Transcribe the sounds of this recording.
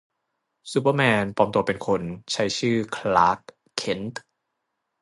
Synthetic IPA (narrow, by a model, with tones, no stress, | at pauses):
su˧˥p̬ə˧mɛː˧npɔː˧mt̪u˧ɐpe˧nkʰo˧nt͡ɕʰa˦˥jt͡ɕʰɯː˥˩kʰlaː˦˥k̚ʰː | e˧˦nt̪